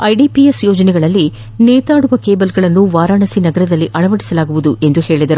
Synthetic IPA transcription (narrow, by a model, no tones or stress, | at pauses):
ɐjɖipiesjoːd͡ʒɐnɛɡɐɭɐlːi | neːt̪aːɽuʋɐkeːbɐlɡɐɭɐnːuʋaːɾaːɳɐsinɐɡɐɾɐd̪ɐlːiʔɐɭɐʋɐɽi̥sɐlaːɡuʋud̪uʔe̞nd̪uhe̞ːɭid̪ɐɾu